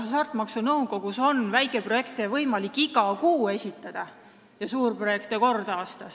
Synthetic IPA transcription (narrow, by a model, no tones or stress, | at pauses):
sɑrt̪ˑmɑksunɤwɡo̞ɡ̥uso̞nvæjkˑe̞pro̞je̞kt̪evɤjmɑlikːˑiɡ̥ɑkuːe̞sʲit̪ːˑɑd̪̥ɑ | jɑsuːrpro̞je̞kt̪eko̞rd̪̥ɑɑːst̪ɑ